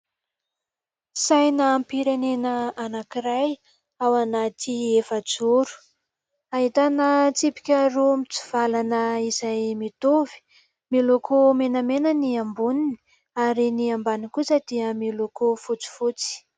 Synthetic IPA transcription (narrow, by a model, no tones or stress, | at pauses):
sajnaːmpiɾenenəanakiɾaj | awanat̪ʰiefəd͡zuɾu̥ | aɦit̪anət͡sipi̥kʲaɾumit͡su̥v̥alanəizajmit̪ovi̥ | milokʰomenamenəniambunini̥ | aɾiniambanikusəd̪̥iəmilokofut͡si̥fut͡si̥